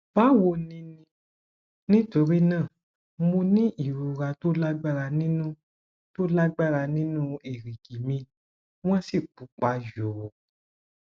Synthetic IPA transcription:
ba˨˦wo˧nĩ˧nĩ˧ | nĩ˦to˧ɾi˦nãː˦˨ | mõ˧nĩ˦ʔi˨ɾu˨ɾa˧to˦la˦ɡ͡ba˦˨ɾa˧nĩ˦nũ˦ | to˦la˦ɡ͡ba˦˨ɾa˧nĩ˦nũ˦e˨ɾi˨ɡi˨mĩ˧˦ | w̃ɔ̃˦si˦˨k͡pu˨˦k͡pa˨˦ʒo˨wo˨

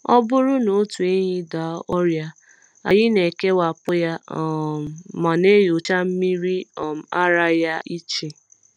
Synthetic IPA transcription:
ɔ̰˦bʊ˦ɾʊ˦no˨˦tu˨e˦ɲɪ˦da˨˦ɔ˦ɾja˦ | a˨jɪ˦ne˨ke˦wa˨pʊ˦ja˦˨ | ma˨ne˦jo˨t͡ʃa˦m̩˦mi˦ɾi˦ɔ˨m̩˨˦a̰˦ɾa˦ja˦ʔi˦t͡ʃi˨

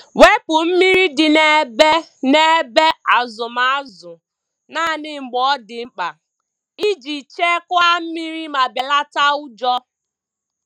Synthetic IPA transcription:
we˦pʊ˨m̩˦mi˦ɾi˦dɪ˨ne˦be˦ne˦be˦a˨zʊ˨ma˨a˦zʊ˨ | na˦˨nɪ˦ŋ͡m̩˨ɡ͡bɔ˦dɪ˨ŋ͡m̩˦k͡pa˨ | i˦d͡ʒi˨t͡ʃe˦kʊ˦a˦m̩˦mi˦ɾi˦ma˨be˨la˦ta˦ʊ˦d͡ʒɔ˦

